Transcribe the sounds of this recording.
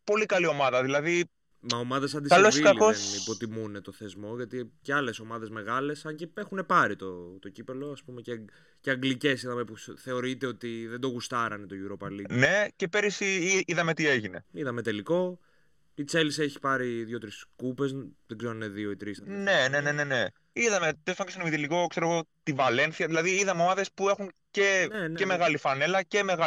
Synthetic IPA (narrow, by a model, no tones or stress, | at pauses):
po̞likɐlio̞mɐðɐðilɐði | mɐomɐðesɐnd̪isɐlosikɐlikosenipo̞t̪imunet̪o̞θe̞zmo̞ʝɐt̪iceɐle̞so̞mɐðe̞zme̞ɣɐle̞sɐɲcee̞xune̞pɐɾit̪ot̪o̞cipelo̞ɐspume̞ce | ceɐŋɡlice̞siðɐme̞puθe̞o̞ɾit̪e̞o̞t̪iðe̞nd̪o̞ɣust̪ɐɾɐnet̪o̞ʝuɾo̞pɐline̞ce̞peɾisiiiðɐme̞t̪ie̞ʝine̞̰iðɐmet̪e̞liko̞ | it͡selise̞çi̥pɐɾiðʝo̞t̪ɾiskupe̞zðeɡzeɾonineðioit̪ɾisnene̞nene̞ne̞ | iðɐme̞t̪est̪oŋksnomit̪eliko̞kseɾo̞ɣo̞t̪ivɐle̞nθiɐðilɐðiiðɐmeomɐðe̞spue̞xuŋce̞enceme̞ɣɐlifɐne̞lɐce̞me̞ɣa